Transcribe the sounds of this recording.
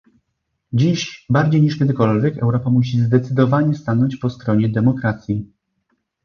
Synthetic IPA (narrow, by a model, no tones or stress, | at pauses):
d͡ʑiɕbaɾd͡ʑejɲiʂkʲɛd̪ɘkɔlvʲjɛkɛ̰wɾɔpamuɕ̬izd̪ɛt̪sɘd̪ɔvaɲɛst̪anɔɲt͡ɕpɔst̪ɾɔɲɛd̪ɛmɔkɾat̪sʲji